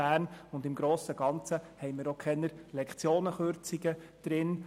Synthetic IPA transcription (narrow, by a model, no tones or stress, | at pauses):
æːrnʊndɪmɡ̥ɾoːsəɡ̥ɑnt͡səhɛɪmɪːɾokʰχɛnəɾlɛkχt͡sjoːnəχøɾt͡siɡəd̥ɾɪn